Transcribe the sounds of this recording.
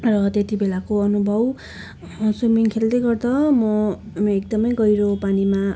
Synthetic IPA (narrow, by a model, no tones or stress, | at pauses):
rʌt̪et̪ibelakoʌnubʱʌw | sumiŋkʰeld̪ʌjɡʌrd̪ʌmʌ | ekd̪ʌmʌjɡʌjɾopanima